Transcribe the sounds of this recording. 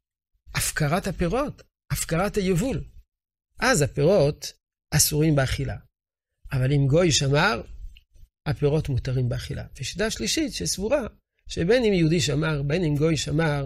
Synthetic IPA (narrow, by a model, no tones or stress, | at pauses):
ʔafkaʁathapeʁo̞t̪ | afkaʁathajevul | ʔazapeʁo̞t | asuʁimbeaχila̰ | ʔavalimɡo̞jʃamaʁ | hapeʁo̞tmut̪aʁimbeaχila̰veʃi̥taʃliʃitʃesvuʁa | ʃebenimjeud̪iʃamaʁbenimɡo̞jʃamaʁ